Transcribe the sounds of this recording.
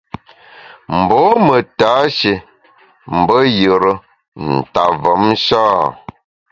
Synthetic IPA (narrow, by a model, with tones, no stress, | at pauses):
m̩˨bɔ˨˦mə˨taː˨˦ʃe˨ | m̩˨bə˦jə˨ɾə˦ | n̩˨ta˨və˨˦mʃaː˦